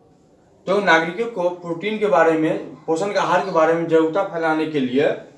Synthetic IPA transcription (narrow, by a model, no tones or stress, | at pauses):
t̪õnaːɡɾɪkokopɾuːʈiːnkebaːɾemẽpoːsənkeaɦaːɾkebaːɾemẽd͡ʒəʊt̪apʰɛːlaːnekelie